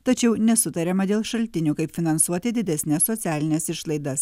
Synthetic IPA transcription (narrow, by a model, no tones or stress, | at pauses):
t̪ɐt͡ʃʲɛʊnʲɛsʊt̪ɐɾʲɛmɐd̪ʲeːlˠʃɐlʲt̪ʲɪnʲuːkɐɪpʲfʲɪnɐnsuɔt̪ʲɪd̪ʲɪd̪ʲɛsʲnʲɛsːɔt̪sʲæːlʲɪnʲɛsɪʃlˠɐɪd̪ɐs